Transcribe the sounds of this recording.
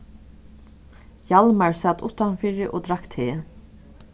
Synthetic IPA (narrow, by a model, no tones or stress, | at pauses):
jalmaɹsaːt̪ʊ̰ht̪anfɪːɾɪʔod̪ɾakt̪ʰeː